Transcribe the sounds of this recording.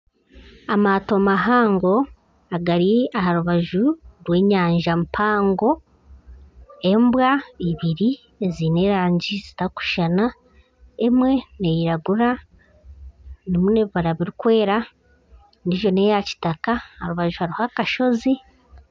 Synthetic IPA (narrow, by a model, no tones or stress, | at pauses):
amaːto̞maɦaːŋɡo̞ | aɡaɾiahaɾuβaʒuɾwe̞ːɲaːɲʒampʰaːŋɡo̞ | e̞mbwaiβiɾi | ezine̞ːɾaːɲɟizitaku̥ʃana | e̞mwe̞nejiɾaɡuɾa | nimune̞βiβaɾaβiɾikwe̞ːɾa | niʒo̞ne̞jaci̥takahaɾuβaʒuhaɾihakaʃo̞zi